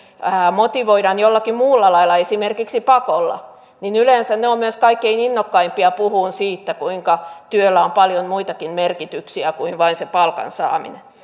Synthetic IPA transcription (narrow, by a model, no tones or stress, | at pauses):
æmot̪iʋoiɾɑnjolːɑkimuːlːɑlɑilːˑɑesimerkiksipɑkolːɑ̰ | ninylensænneommyøskɑikːeininːokːɑimpiɑpuhuːnsiːt̪ːækuiŋkɑt̪yølːæompɑljonmuit̪ɑkinmerkit̪yksiækuinʋɑinsepɑlkɑ̰nsɑ̰ːmḭnen